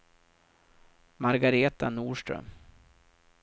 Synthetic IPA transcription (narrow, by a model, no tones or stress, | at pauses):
maɾɡaɾeːt̪anuːʂʈɾœ̰m